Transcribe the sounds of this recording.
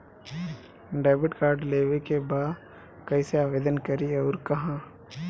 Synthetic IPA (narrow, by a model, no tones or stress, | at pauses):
ɖaːbɪʈkaːɾɖleːʋekebaː | kɐiseaːʋeːd̪ənkɐɾieɔːɾkɐɦãː